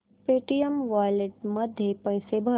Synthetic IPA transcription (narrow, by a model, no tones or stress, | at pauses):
peːʈijəmʋaːjleʈ̚mɐd̪ʱjepɐjsebʱɐ